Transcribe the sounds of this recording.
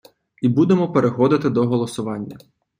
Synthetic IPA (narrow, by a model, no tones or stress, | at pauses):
ibud̪emɔpeɾexɔd̪ɪt̪ɪd̪ɔɦɔlˠɔsʊʋɑnʲːɐ